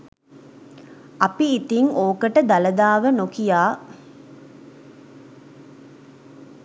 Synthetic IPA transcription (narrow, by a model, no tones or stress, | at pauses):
ɐpiːt̪iŋoːkəʈəd̪ɐləd̪aːʋənokijaː